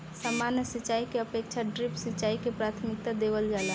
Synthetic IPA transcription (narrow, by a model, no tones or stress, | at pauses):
samanjəsit͡ʃaikeəpek̚t͡ʃʰaɖɾipsit͡ʃaːikepɾat̪ʰmɪk̚t̪ad̪eʋəld͡ʒala